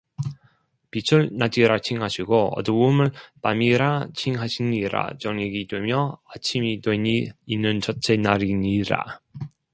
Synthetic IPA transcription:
pit͡ɕʰuɭnad͡ʑiɾat͡ɕʰiŋɦaɕʰiɡoʌ̰dɯumɯɭpamiɾat͡ɕʰiŋɦaɕʰiniɾa̰t͡ɕʌŋeɡidwe̞mjʌat͡ɕʰimidweɲiːnːɯnt͡ɕʌt͡ɕʰenaɾiɲiɾa̰

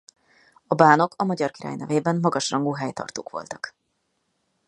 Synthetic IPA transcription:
ɒbaːno̞kɒmɒɟɒrkiɾa̰ːjnɛveːbɛmmɒɡɒʃrɒŋɡoːɦɛjt̪ɒ̰rt̪o̰ːkʋo̞̰lt̪ɒ̥k

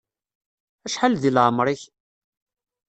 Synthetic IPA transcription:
æʃħalðilʕəmɾˤiç

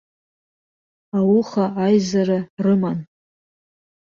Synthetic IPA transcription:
awʊχaajzaɾɨrɨman

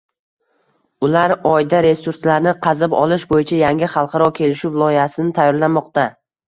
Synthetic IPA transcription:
ʊlaɾɒjd̪aɾe̞suɾslaɾnɪqʰɑzɪbɒ̰lˠɪʃbojɪt͡ʃʰajaŋʲɪχɑlˠqʰɑɾɒkʲʰe̞lɪʃuvɪlˠɒjasɪnɪt̪ʰajːɒɾlanmɒqt̪a

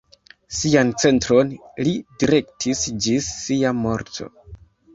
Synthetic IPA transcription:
siant͡se̞ntɾo̞nlidiɾe̞ktʰisd͡ʒisːiamo̞ɾtʰo̞̰

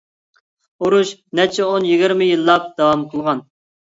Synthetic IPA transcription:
uɾuʃnɛt͡ʃʰɛonjiɡʲɪɾmɪjilˠːɑp̚d̪̥ɑwɑmqʰəlˠʁɑn

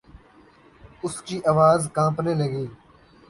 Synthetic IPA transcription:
ʊskiːʔəʋaːzkãːpneːləɡiː

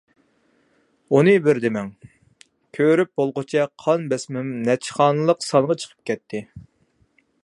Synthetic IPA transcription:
unɨbɪɾd̪ɪmɛŋ | kʲʰøɾyp̚bolˠʁət͡ʃʰɛqʰɑnbɛsmymnɛt͡ʃʰχɑːnɨlˠəqsɑnʁɑt͡ʃʰə̥qʰə̥p̚kʲʰɛt̪ʰːɪ

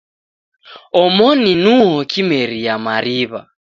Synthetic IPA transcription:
ɔmɔninuɦɔkimɛɾijamaɾiβa̰

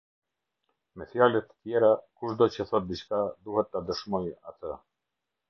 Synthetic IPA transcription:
mɛθjalɛt̪ːə̥t̪jɛɾakuʃd̪ɔt͡ɕəθɔt̪̚d̪it͡ʃkad̪uhɛt̪ːad̪əʃmɔja̰t̪ʰə

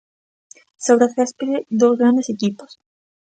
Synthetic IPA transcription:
sawɾat̪kaspeɾed̪ozɣɾand̪esekipos

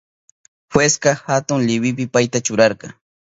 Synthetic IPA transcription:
xweskɑhat̪ʊŋlɪwɪpɪpajt̪at͡ʃʊɾɑɾqɑ

